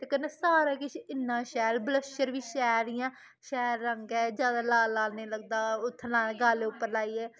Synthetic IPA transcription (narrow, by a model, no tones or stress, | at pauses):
t̪eːkənːeːsaːɾaːkɪʃɪnːãːʃɛːlbləʃəɾʋiːʃɛːɾɪjãː | ʃɛːɾːəŋɡɛːd͡ʒjaːd̪aːlaːlaːlneːləɡ̚d̪aːʊt̪ʰːnãːɡaːleʊpːəɾlaːiːɛː